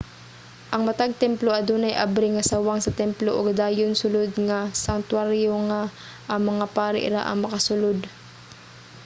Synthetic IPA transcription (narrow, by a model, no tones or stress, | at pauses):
ʔɐŋmɐt̪aɡ̚t̪ɛmploʔɐd̪onɐjʔa̰bɾɪŋɐsawaŋsɐt̪ɛmploʔoɡd̪aːjonsʊlod̪ŋasɐnt̪waɾjoŋa | ʔɐŋmɐŋapaːɾɪ̰ʔɾa̰ʔɐ̰ŋmɐkɐsʊlod̪